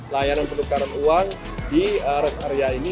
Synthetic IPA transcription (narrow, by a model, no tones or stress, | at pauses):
lajananpənukaɾanuaŋ | diəɾɛsaɾeaini